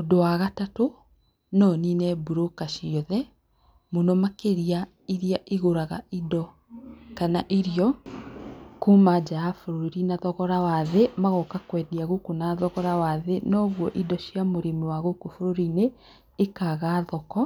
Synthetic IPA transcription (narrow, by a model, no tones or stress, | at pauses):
odowaɣatato | nɔːninɛbuɾokaʃiɔðɛ | monɔmakeɾia | iɾiaʔeɣoɾaɣa̰ʔidɔ | kanaʔiɾiɔ | kumad͡ʒaːfoɾoɾinaðɔɣɔɾawaðemaɣɔkakwɛdiaɣokonaðɔɣɔɾawaðenɔɣwɔʔidɔɕjamoɾimewaɣokofoɾoɾineː | kaɣaːðɔkɔ